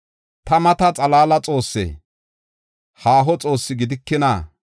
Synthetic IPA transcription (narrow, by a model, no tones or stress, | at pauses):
t̪ɐmɐt̪ɐt͡sʼɐlaːlɐt͡sʼo̞ːsːɛ̰ː | haːɦɔt͡sʼo̞ːsːɪɡɪd̪ɪkːɪna